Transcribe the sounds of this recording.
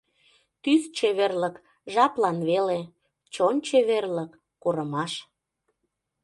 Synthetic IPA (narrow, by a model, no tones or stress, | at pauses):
t̪yst͡ɕeβerlək | ʒɑplɑnβele | t͡ɕonʲt͡ɕeβerlə̆kːuɾəmɑʃ